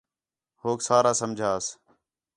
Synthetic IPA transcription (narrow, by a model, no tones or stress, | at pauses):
hoːksaːɾaːsəmd͡ʒʱaːs